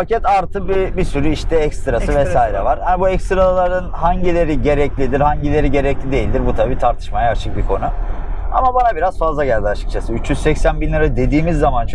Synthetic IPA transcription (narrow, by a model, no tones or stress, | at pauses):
facɛt̪aɾt̪ʰɯbibisyɾyiʃt̪ʰɛɛcst̪ɯɾasɯvɛsaːiɾɛ̰vaɾ̥hanibuɛkst̪ɾalˠaɾɯnhaɲɟilʲe̞ɾiɟe̞ɾɛclʲid̪iɾhaɲɟilʲe̞ɾiɟe̞ɾɛclʲid̪e̞jilʲd̪iɾbut̪ʰabiːt̪ʰaɾt̪ʰɯ̥ʃmajaːt͡ʃʰɯk̚bikʰo̞nua̰mabanabiɾazfazlˠaɟæɾd̪aʃɯk̚t͡ʃʰasɯyt͡ʃjyzsɛcsænbinˠaɾad̪e̞d̪iːmizːamant͡ʃʰ